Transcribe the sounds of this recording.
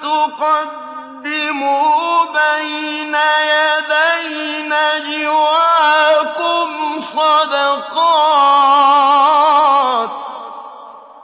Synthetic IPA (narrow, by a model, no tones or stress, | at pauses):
t̪ʊqɑd̪ː | ɪmubajnajad̪ajnad͡ʒɪwaːkʊmsˤɑd̪ɑqɑː | t̪̚